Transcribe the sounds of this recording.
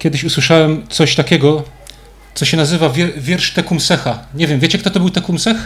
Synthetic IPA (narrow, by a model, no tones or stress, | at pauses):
kʲjɛd̪ɘɕuswɘʂawɛmt̪sɔɕt̪akʲɛɡɔ | t̪sɔɕɛnazɘvavʲɛvʲjɛɾʂt̪ɛkumsɛxaɲevʲjɛmvʲjet͡ɕɛkt̪ɔt̪ɔbɘwt̪ɛkumsɛx